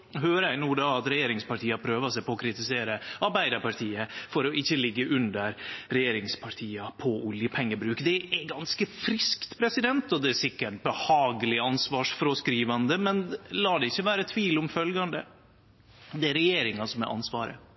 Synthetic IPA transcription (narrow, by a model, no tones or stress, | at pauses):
ɦøːɾəæɪnuːd̪ɑɑt̪ɾɛjeːɾɪŋspɑʈʰiːɑpʰɾøːʋɑsæɪpɔɔkʰɾɪt̪ɪseːɾəʔɑɾbæɪd̪əɾpʰɑʈʰiːəfɔɾɔʔɪçːəlɪɡːəʔʉnd̪əɾɾɛjeːɾɪŋspʰɑʈʰiːɑpʰɔʔʊljəpʰɛŋːəbɾʉːkd̪ɛɛɡɑnskəfɾɪskt̪pʰɾɛsɪd̪ɛnt̪ɔd̪ɛæsɪkːəʈ̚bəhɑːɡəlɪɑnsʋɑːʂfɾɔskɾiːʋɑnd̪əmɛnlɑːɖɛɪçːəʋæːɾət̪ʰʋiːlɔmfœlɡɑnd̪ə | d̪ɛæɾɛjeːɾɪŋɑsɔmɛ̰ʔɑ̰nsʋɑ̰ːɾə̰